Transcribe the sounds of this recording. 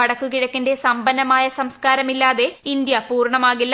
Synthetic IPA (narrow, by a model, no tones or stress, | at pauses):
ɐɽɐkːukiɽɐkːinde̞sɐmbɐnɐmaːjɐsɐmskaːɾɐmilːaːðe̞ind̪jɐpuːrɳɐmaːɣilː